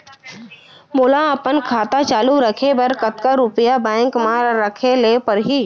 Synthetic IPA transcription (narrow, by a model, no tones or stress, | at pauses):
mʊːlaəpənkʰaːt̪at͡ʃaːluɾəkʰebɐɾkət̪kaɾʊpəjabãɪ̃ŋkmãɾəkʰeleːpəɾɦi